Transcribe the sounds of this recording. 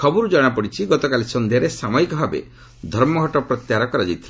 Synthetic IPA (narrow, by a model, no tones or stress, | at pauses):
kʰɔbɔɾud͡ʒɔɽ̃apɔɽit͡ʃʰiɡɔt̪ɔkalisɔnd̪ʱaɾesamɔjkɔbʱabḛ | d̪ʱɔɾmɔɡʱɔʈɔpɾɔt̪jaɾɔkɔɾad͡ʒajt̪ʰila